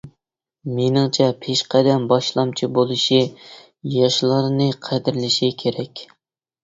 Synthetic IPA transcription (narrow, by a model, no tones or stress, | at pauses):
menɪŋt͡ʃʰɛpʰeʃqʰɛd̪ɛmbɑʃlˠɑmt͡ʃʰibolˠɨʃi | jɑʃlˠɨɾnɨqʰæd̪ɪɾlɪʃikʲʰeɾɛkʲ